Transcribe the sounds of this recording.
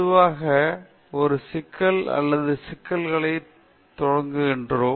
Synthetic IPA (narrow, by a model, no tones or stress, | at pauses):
ɯʋaːɣɐ | ɔɾɯsɪkʰːɐlɐ̰lːɐðɯsɪkːɐlɣɐɭɐɪ | t̪ɔɻɐŋɡɯɣɪndroː